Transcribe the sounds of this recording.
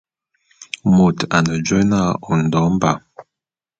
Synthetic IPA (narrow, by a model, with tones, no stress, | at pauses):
mo˨ta˨nə˨d͡ʒwɛ˦na˦˨ɔ˨n̩˨dɔ˨˦mba̰˨